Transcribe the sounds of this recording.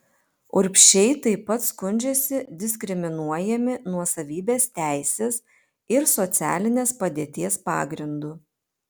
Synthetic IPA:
ʊɾʲpʲʃʲɛɪt̪ɐɪpːɐt̪skʊnʲd͡ʒʲɛsʲɪd̪ʲɪsʲkʲɾʲɪmʲɪnuɔjɛmʲɪnuɔsɐʋʲiːbʲeːst̪ʲæˑɪsʲeːs | ɪɾsɔt̪sʲæ̰ːlʲɪnʲeːspɐd̪ʲeːt̪ʲiɛspɑ̰ːɡɾʲɪnd̪uː

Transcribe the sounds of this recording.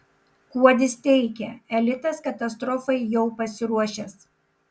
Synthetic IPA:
kuɔd̪ʲɪst̪ʲɛɪkʲɛɛlʲɪt̪ɐskɐt̪ɐst̪ɾɔfɐɪjɛʊpɐsʲɪɾuɔʃʲɛs

